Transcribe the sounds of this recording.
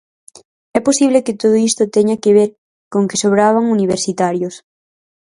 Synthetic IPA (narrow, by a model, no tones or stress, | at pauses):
ɛposiβlekɪt̪oð̞oist̪ʊt̪ɛɲakeβeɾ | koŋke̥soβɾaβ̞aŋuniβ̞eɾsit̪aɾjos